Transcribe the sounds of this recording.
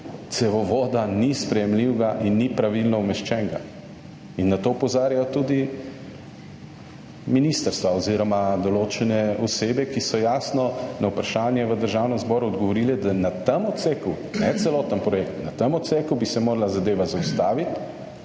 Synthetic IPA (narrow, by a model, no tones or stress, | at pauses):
t̪sɛʋɔʋod̪anispɾɛjɛmliwɡaʔinːipɾaʋilnɔumɛʃt͡ʃɛŋɡa̰ | inːat̪oːpɔzaːɾjajɔt̪uːd̪i | minist̪əɾst̪ʋaɔziɾɔmad̪ɔloːt͡ʃɛnɛɔseːbɛkisɔjaːsnɔnawpɾaʃaːnjɛʋəd̪əɾʒawnəmzbɔːɾuɔd̪ɡɔʋɔɾilɛd̪anat̪əmɔt̪t̪seku | nɛt̪sɛlɔːt̪ənpɾɔjekt̪nat̪əmɔt̪sekubisɛmoːɾalazad̪eːʋazaust̪aːʋit̪